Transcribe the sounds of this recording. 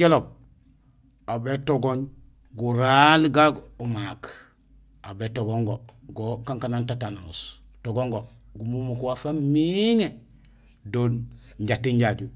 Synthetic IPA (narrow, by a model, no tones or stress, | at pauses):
elob̚ | abetoɡoɲ | ɡuɾalɡaɡumak | abetoɡoŋɡoɡokaŋkanantatano̰s | toɡoŋɡoɡumumukwafamiŋe | donɲɟatːiɲɟaɟu